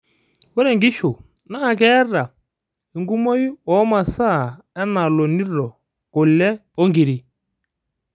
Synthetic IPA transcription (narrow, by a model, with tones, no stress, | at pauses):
wɛ˦ɾɛ˨ŋɡi˦ʃo˨ | na˦˨k̬ɛ˦ɾa˨ | e˨ŋɡu˦mɔ˦i˦ɔ˨˦ma˨sa˦˨ | ɛ˦na˨lɔ˨ni˦ɾɔ˨ | kʊ˨lɛ˦ɔ˦ŋɡi˨ɾi˨